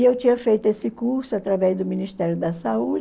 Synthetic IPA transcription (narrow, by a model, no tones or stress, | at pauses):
ewt͡ʃĩɲɐfejt̪ʊesɪkuɾsʊat̪ɾavɛzd̪ʊmĩnist̪ɛɾjʊd̪ɐsaud͡ʒ